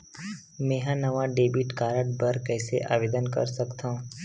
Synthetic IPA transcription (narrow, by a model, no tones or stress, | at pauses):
mẽːɦãnəʋãɖeːbiʈkaːɾəʈbəɾkɛːseʔa̰ːʋeːd̪ənkə̰ɾsəkt̪ãũ